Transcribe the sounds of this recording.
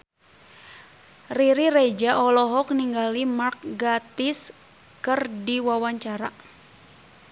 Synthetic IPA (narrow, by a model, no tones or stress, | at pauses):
riɾired͡ʒaʔɔlɔɦɔk̚niŋɡalimark̚ɡat̪is | kɨrdiwawaɲt͡ʃaɾa